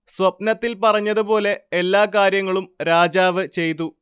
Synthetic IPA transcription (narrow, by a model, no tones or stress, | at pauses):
sʋɐpnɐt̪ːilpɐrɐɲːɐðupo̞ːle̞elːaːkaːɾjɐŋːɐɭumɾaːd͡ʑaːʋɨt͡ɕe̞jt̪̬ːu